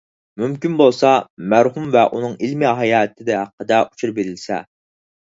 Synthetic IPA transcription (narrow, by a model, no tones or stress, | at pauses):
mymkʲinbolˠsɑmæɾɦumvɛʔunɨŋilmiɦɑjɑːt̪ʰɪd̪ɛɦæqːəd̪ɛʔu̥t͡ʃʰuɾbeɾɪlsɛ̰